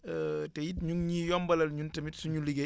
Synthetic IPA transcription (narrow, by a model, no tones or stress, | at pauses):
tɛjitɲuŋɲiːjɔmbɐlɐlɲuntɐmitsuɲuliɡe